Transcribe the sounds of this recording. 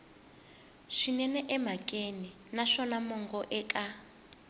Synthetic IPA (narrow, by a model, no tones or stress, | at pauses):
ʂinɛnɛʔɛmakʼeni | naʂɔnamɔŋɡɔʔɛkʼa